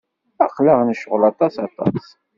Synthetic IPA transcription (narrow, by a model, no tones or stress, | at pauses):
æχləʁnəʃəʁlɑt̪ˤɑsɑt̪ˤɑ̰s